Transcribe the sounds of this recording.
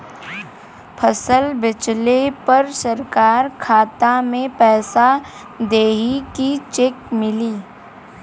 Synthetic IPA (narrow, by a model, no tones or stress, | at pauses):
pʰəsəlbɪt͡ʃlepɐɾsɐɾkaːɾkʰaːt̪amẽpɛːsa | d̪eːɦikit͡ʃekmɪliː